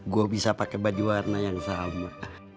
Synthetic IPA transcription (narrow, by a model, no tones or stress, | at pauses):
ɡuabisapakebad͡ʒiwarnajaŋsama